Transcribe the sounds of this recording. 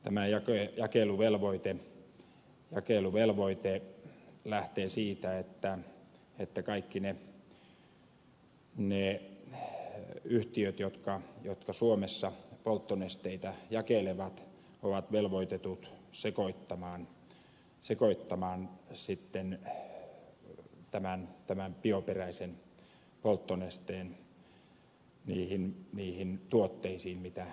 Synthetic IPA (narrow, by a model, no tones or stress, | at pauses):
t̪æmæjɑkejɑkeluʋelʋoit̪e | jɑkeluʋelʋoit̪e | læht̪eːsiːt̪æet̪ːæ | et̪ːækɑikːine | ne | yht̪iøt̪jot̪kɑjot̪kɑsuomesːɑpolt̪ːonest̪eit̪æjɑkeleʋɑt̪ | oʋɑt̪ʋelʋoit̪et̪ut̪sekoit̪ːɑmɑːn | sekoit̪ːɑmɑːnsit̪ːen | t̪æmænt̪æmæmpioperæisen | polt̪ːonest̪eːn | niːhinniːhint̪uot̪ːeisiːnmit̪æ